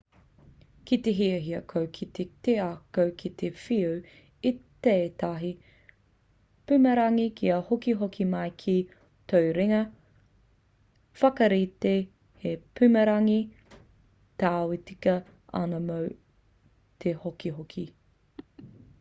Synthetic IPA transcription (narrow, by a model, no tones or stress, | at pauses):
kit̪eɦiɐɦiɐkʰowkʰit̪eteakowkʰit̪ʰefiuw | it̪eːt̪ɐɦi | pʉmɐɾɐŋikʰiɐhokiɦokʰimɐjkʰi | t̪ʰowɾiŋɐ | fɐkɐɾit̪e | hepʰʉmɐɾɐŋi | t̪aːwitikɐ | ɐ̰nɐmow | t̪ʰehokiɦokʰi